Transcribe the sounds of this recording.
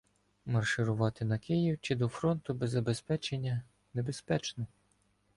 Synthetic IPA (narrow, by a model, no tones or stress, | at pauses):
mɐrʃɪɾʊʋɑt̪ɪnɐkɪjiwt͡ʃɪd̪ɔfɾɔnt̪ʊbezːɐbe̞spɛt͡ʃenʲːɐ | ne̞be̞spɛt͡ʃnɛ